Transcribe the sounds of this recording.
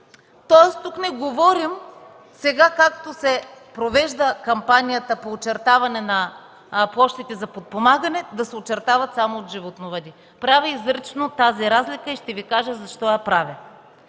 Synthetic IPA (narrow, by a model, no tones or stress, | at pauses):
t̪ɔɛst̪uknɛɡovɔɾim | sɛɡakak̚t̪osɛpɾovɛʒd̪əkɐmpanijət̪əpoːt͡ʃɛɾt̪avɐnɛnɐ | plˠɔʃt̪it̪ɛzɐpot̪̚pomaɡɐnɛd̪ɐsɛot͡ʃɛɾt̪avɐt̪samoːd̪ʒivot̪novɐd̪ʲi | pɾavɛizɾɛt͡ʃnot̪aziɾazlikəiʃt̪ɛvikaʒəzɐʃt̪ɔjapɾavɛ